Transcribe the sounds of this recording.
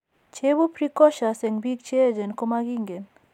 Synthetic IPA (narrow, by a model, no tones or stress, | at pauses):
t͡ʃʰebupʰɾikɔʃaseŋbik̚t͡ʃʰed͡ʒenkomaɡiŋɡen